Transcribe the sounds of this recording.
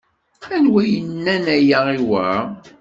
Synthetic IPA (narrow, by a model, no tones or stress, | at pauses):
ænwæjənːænæjaiwæ̰